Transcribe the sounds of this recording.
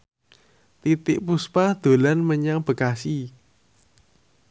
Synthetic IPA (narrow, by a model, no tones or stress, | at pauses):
t̪it̪ɪʔpuspahd̪̥o̤lanməɲaŋb̥ə̤kasi